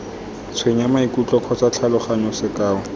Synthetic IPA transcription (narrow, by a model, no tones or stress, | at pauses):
t͡sʰweɲamaikut͡ɬʼɔkʰɔt͡sat͡ɬʰalʊχaɲɔsɪkaːɔ